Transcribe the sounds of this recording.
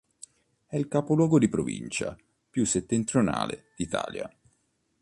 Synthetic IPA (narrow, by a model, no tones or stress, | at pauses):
ɛilkapolwɔːɡod̪ipɾovḭnt͡ʃa̰ | pjusːet̪ːent̪ɾjona̰ːled̪̥it̪a̰ːlja